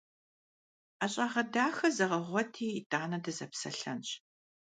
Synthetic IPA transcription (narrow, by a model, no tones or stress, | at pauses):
aɕʼaːʁɐdaːxɐzɐʁɐʁʷɔtʰiːtʼaːnɐdɐzɐpsɐ̰ɬɐnɕ